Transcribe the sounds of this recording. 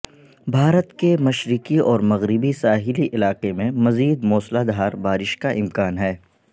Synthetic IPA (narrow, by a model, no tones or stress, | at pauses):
bʱaːɾət̪kemɐʃɾɪkiɔːɾmɐɣɾɪbisaːɦɪliʔɪlaːqemẽmɐziːd̪mɔːslad̪aːɾbaːɾɪʃkaʔɪmkaːnɦɛː